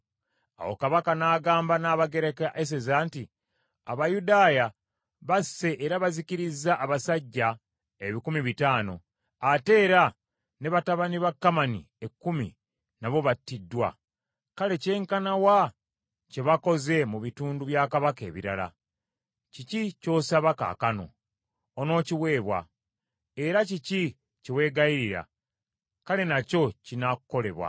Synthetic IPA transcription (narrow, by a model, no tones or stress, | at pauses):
a̰wo̰kaβakanaːɡaːmbanaːβaɡe̞ɾekaʔes̬ezaːnti | aβajudaːja | βasːe̞ʔeɾaβaziciɾizːaʔːβasaɟːa | e̞βikumiβitaːno̞̰ | ate̞ːɾa | ne̞βataβaniβakːamanḭ | e̞kːumḭ | naβo̞βatːidːwa̰ | kale̞ce̞ːŋkanawa | ce̞βako̞ze̞muβituːnduβjaːkaβake̞ːβiɾala̰ | cicico̞ːsaβaka̰kano̞̰ː | no̞ːciwe̞ːβwa̰ | e̞ɾacici | cewe̞ːɡaiɾiɾa̰ | kale̞naco̞cinakukːo̞le̞βwa̰